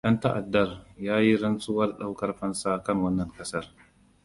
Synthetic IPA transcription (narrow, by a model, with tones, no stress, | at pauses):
jɐ˦ntɐ˦ʔa˨dːɐ˦rjaː˦ji˦ɾɐ˦nsuː˦wɐ˦rɗa˦wkɐ˦rɸɐ˦nsa˦kɐ˦˨ŋwɐ˦nːɐ˨ŋkɐ˦sɐ˦r